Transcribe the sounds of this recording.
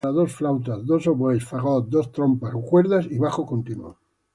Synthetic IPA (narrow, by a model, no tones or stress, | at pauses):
aðosflawt̪azðosoβwejsfaɣod̪ost̪ɾompasokweɾðasiβaχokont̪inuo̰